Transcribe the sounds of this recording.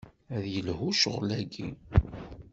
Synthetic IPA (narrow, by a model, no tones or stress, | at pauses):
æðjəlhuʃʁlæɡḭ